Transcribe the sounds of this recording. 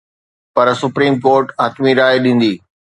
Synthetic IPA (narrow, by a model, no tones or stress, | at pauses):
pɐɾsʊpɾiːmkoːɾʈaːt̪miɾaːeɗĩːn̆d̪iː